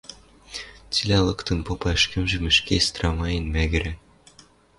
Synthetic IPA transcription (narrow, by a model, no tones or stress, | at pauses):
t͡silʲælˠɤ̆kt̪ɤ̆npopɑɘʃkɘ̆mʒɘ̆mɘ̆ʃkest̪rɑmɑjɘ̆nmæɣɘ̆ɾæ